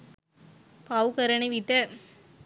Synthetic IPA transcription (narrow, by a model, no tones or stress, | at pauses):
pɐʋkɐɾɐnɐʋiʈːɐ